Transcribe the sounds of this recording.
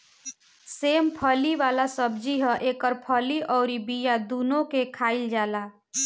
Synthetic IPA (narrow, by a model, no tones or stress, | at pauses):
seːmpʰəliʋalasəbd͡ʒiɦə̃ʔekəɾpʰəliʔɔʊɾibijad̪unokekʰaɪld͡ʒaːla